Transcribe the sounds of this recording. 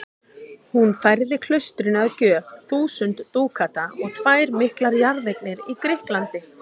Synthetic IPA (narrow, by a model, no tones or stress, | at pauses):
hunfajɾðɪkʰl̥œst̪ɾʏnaðcœːfθuːsʏnt̪ːuːkʰat̪aʔɔɣt̪ʰvaːjɾmɪhklaɾjaɾðejknɪɾikɾɪhklant̪ɪ